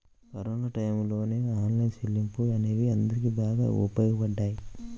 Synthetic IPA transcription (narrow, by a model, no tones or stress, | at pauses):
kɐɾoːnaːʈɐjmlo̞ːne̞ːaːnlɐjnʃelːimpuɐneːʋiɐnd̪ɐɾik̬ibaːɡa̰ːṵpɐjɡɐpɐɖːaːji